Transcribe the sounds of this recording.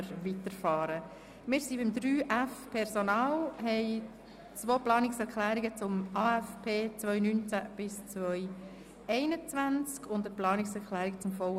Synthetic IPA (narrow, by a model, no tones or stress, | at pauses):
ɾʋitəɾfɑːɾə | mɪːɾsibɪmd̪ɾyːʔæfpʰɛɾsonɑːlɦɛɪ | t͡svoːplɑːnɪksɛɾkʰlæːɾiɡət͡sʊmɑːɛfpʰeːt͡svʋœʏnynt͡sæb̥ɪst͡sʋœʏ | ɛɪnət͡svænt͡skʰʊndəplɑːnɪksɛɾkʰlæːɾɪkt͡sʊmfɔw